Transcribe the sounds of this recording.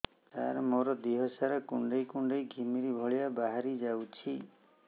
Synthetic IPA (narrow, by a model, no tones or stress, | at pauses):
taɾmoɾɔd̪iɦɔsaɾɔkuɳɖejkuɳɖejɡʱimiɾibʱɔɭijabaɦaɾid͡ʒawt͡ʃʰi